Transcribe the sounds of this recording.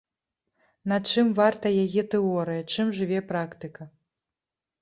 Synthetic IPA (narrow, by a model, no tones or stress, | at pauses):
nɐt͡ʂɨmvart̪ɐjajɛt̪ɛɔɾɨjɐt͡ʂɨmʐɨvʲɛpɾakt̪ɨkɐ